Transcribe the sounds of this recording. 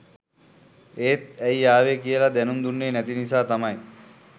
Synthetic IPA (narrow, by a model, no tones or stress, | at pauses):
eːt̪̚æjjaːʋekijəlɐd̪ɛnumd̪unːeːnæt̪inisaːt̪ɐmɐj